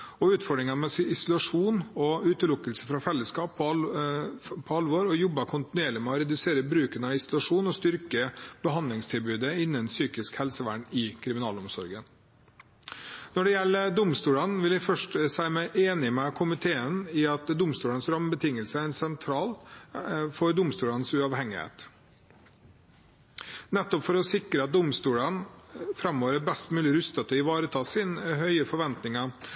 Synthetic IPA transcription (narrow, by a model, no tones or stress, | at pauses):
ɔʉːt̪fɔɖɾɪŋɑnmɛsɪsʊlɑʂuːnɔʉːt̪əlʊkːəlsəfɾɑfɛlːəskɑːpː | pʰɔɑlʋoːɾɔjɔbːəkʰʊnt̪ɪnʉeːɭɪmɛɔɾɛd̪ʉseːɾəbɾʉːkənɑɪsʊlɑʂuːnɔst̪ʏɾkəb̥əɦɑnd̪lɪŋst̪ʰɪlbʉːd̪əɪnːənsyːkɪskhɛlsəʋæ̰ɳɪkʰɾɪmɪnɑ̰ːlɔmsɔɾɡən | nɔɖɛjɛlːəd̪ʊmst̪uːlənʋɪlæɪfœʂʈsæɪmɛʔeːnɪmɛkʰʊmɪt̪ʰeːənɪɑt̪d̪ʊmst̪uːlənsɾɑmbət̪ʰɪŋəlsəæɾɛnsɛnt̪ʰɾɑːl | fɔɾd̪ʊmst̪uːlənsʉɑʋhɛŋːɪhḛːt̪ | nɛt̪ːɔpfɔɾɔsɪkɾəɑt̪̚d̪ʊmst̪uːlənfɾɑmːoːʋəɾəbɛst̪mʉːlɪɾʉst̪ət̪ʰɔɪʋɑːɾət̪ʰɑːsɪnɦœʏəfɔɾʋɛnt̪nɪŋɑ